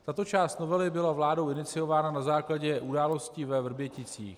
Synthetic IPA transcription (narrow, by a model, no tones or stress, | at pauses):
t̪at̪o̞t͡ʃaːst̪no̞vɛlɪbɪlavlaːdo̞wɪnɪt͡sɪjo̞vaːnanazaːklaɟɛʔudaːlo̞sciːvɛvr̩bjɛcɪt͡sḭːx